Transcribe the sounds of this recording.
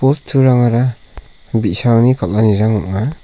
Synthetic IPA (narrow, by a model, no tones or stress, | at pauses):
pɔstʰuɾaŋaɾa | bisaɾaŋnikalːaniɾaŋɔʔŋa